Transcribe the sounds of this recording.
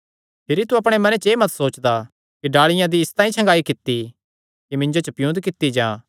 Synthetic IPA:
pʰɪɾit̪uɐpɽ̃emɐnet͡ʃeːmɐt̪soːt͡ʃd̪a | kiɖaːɭɪjãd̪iɪst̪aːĩt͡ʃʰɐ̃ŋɡaːikɪt̪ːi | kimɪ̃nd͡ʒot͡ʃɐpjũnd̪kɪt̪ːid͡ʒãː

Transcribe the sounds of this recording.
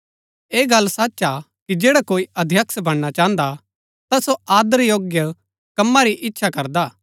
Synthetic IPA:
eːɡɐlːsaːtːt͡ʃa | kid͡ʒeːɽakoːiʔɐd̪ʱjɐksbɐɽ̃ɽ̃at͡ʃãːə̃nd̪a | t̪asoaːd̪əɾjoːɡjə | kɐmːaɾiʔɪtːʃʰakɐɾd̪aː

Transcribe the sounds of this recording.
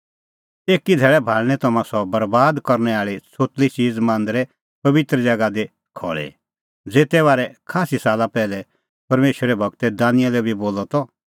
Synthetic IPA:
eːkid̪ʱɛːɭɛbʱaːɭɽ̃ɛ̃t̪ɐmãsɔbɐɾbaːd̪kɐɾnɛaːɭit͡sʰoːt̪lit͡ʃiːd͡zmãːnd̪ɾɛ | pɐʋɪt̪ɾd͡ʒɐɡad̪e | kʰɔ̰ːɭɛ̰ | d͡zeːt̪ɛʋaːɾɛkʰaːsisaːlapɛːlɛ | pɐɾmeːʃɾɛbʱɐɡ̚t̪ɛd̪ãːnɪjalɛbʱiboːlɔt̪ɔ

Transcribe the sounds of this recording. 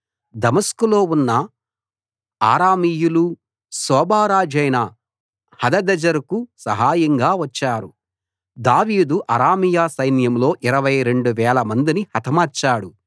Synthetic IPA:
d̪ɐmɐskulo̞ːunːɐ | a̰ːɾaːmiːjulu | sɔːbaːɾaːd͡ʒɐjnɐ | hɐd̪ɐd̪ɐd͡ʒɐɾukusɐɦaːjɐŋɡaːʋɐt͡ʃːaːɾu | d̪aːʋiːd̪uʔɐɾaːmijaːsɐjnjɐmlo̞ːʔiɾɐʋɐjɾe̞ɳɖuʋɛːlɐmɐnd̪inihɐt̪ʰɐmɐːɾt͡ʃːaːɽu

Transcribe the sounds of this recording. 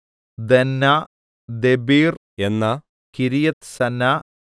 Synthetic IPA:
d̪enːa | d̪ebiːr | enːɐ | kiɾijɐt̪sɐnːa

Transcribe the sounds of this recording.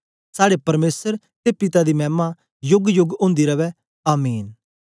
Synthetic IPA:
saːɽepɐɾmeːsəɾ | t̪epɪt̪ad̪iːmɛ̃ːma | jʊɡjʊɡʊ̃ːnd̪iɾɐʋɛː | aːmiːn

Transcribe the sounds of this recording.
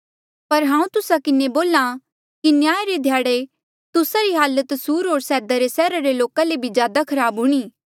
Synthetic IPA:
pɐɾɦãːũt̪ʊsakɪneboːla | kinjaːeɾed̪ʱjaːɽe | t̪ʊsaɾiɦaːlət̪suːɾɦoːɾsɛːd̪aɾesɛːɾaɾeloːkalebʱid͡ʒjaːd̪akʰɐɾaːbɦʊɽ̃iː

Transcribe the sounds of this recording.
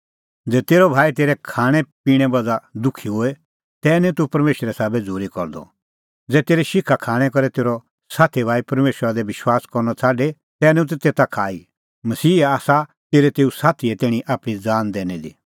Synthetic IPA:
d͡zɛːt̪eːɾɔbʱaːit̪eːɾɛkʰaːɽ̃ɛ̃piːɽ̃ɛ̃bɐd͡zad̪ʊkʰiɦoe | t̪ɛːnɛ̃t̪upɐɾmeːʃəɾɛsaːbɛd͡zuːɾikɔɾd̪ɔ̰ | d͡zɛːt̪eːɾiʃɪkʰːakʰaːɽ̃ɛ̃kɔɾɛt̪eːɾɔ | saːt̪ʰibʱaːipɐɾmeːʃɾad̪ɛʋɪʃwaːskɔɾnɔt͡sʰaːɖe | t̪ɛːnɛ̃ũt̪t̪eːt̪akʰaːi | mɐsiːaːsa | t̪eːɾet̪eːusaːt̪ʰiɛt̪ɛːɽ̃ĩʔaːpɽ̃id͡zaːnd̪ɛːnɛd̪ḭ

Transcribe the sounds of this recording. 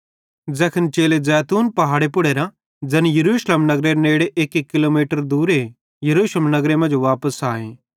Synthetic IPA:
d͡zɛːkʰənt͡ʃeːlezɛːt̪uːnpɐɦaːɽepʊɽeːɾã | d͡ʒɐnjɐɾuːʃləmnɐɡɾeɾneːɽeʔeːkekːɪloːmiːʈəɾd̪uːɾe | jɐɾuːʃləmnɐɡɾemɐ̃nd͡ʒʋaːpəsaːẽː

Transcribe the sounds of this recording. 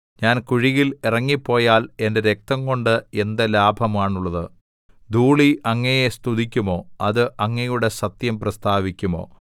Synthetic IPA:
ɲaːnkuɻiɣilirɐŋːipːo̞ːjaːle̞nde̞ɾe̞k̚t̪ɐŋko̞ɳɖɨe̞nd̪ɐlaːbʱɐmaːɳuɭːɐðɨ | d̪uːɭiɐŋːɐjest̪uðikʲːumo̞ːɐðɨʔɐŋːɐjuɽe̞sɐt̪jɐmprɐst̪ʰaːʋikʲːumo̞̰ː

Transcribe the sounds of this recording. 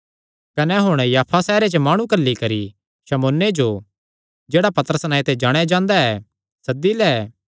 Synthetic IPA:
kɐnɛɦʊɽ̃jaːpʰasɛːɾet͡ʃəmaːɽ̃ũkɐlːikɐɾi | ʃɐmoːnːed͡ʒo | d͡ʒeːɽapɐt̪əɾəsnãet̪ed͡ʒaːɽ̃ejad͡ʒãːnd̪aɛ | sɐd̪ilɛː

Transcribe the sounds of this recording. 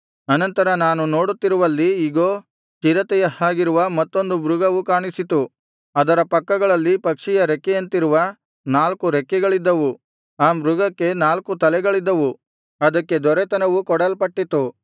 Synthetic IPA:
ɐnɐnt̪ɐɾɐnaːnuno̞ːɽut̪ːiɾuʋɐlːiːɡoː | t͡ʃiɾɐt̪ɛjɐhaːɡiɾuʋɐmɐt̪ːo̞nd̪ubɾuɡɐʋukaːɳisit̪u | ɐd̪ɐɾɐpɐkːɐɡɐɭɐlːipɐkʂijɐɾekːɛjɐnt̪iɾuʋɐ | naːlkuɾekːɛɡɐɭid̪ːɐʋu | aːmɾuɡɐkːe̞naːlkut̪ɐlɛɡɐɭid̪ːɐʋu | ɐd̪ɐkːe̞d̪ɔɾet̪ɐnɐʋukɔɽɐlpɐʈːit̪u

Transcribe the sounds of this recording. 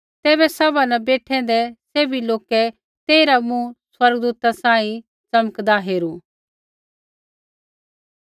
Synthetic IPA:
t̪ɛːbɛsɐbanɛbeːʈʰɛ̃d̪ɛseːbʱiloːkɛ | t̪eːɾamũswɐɾɡd̪uːt̪asãːĩ | t͡sɐməkd̪aɦeːɾuː

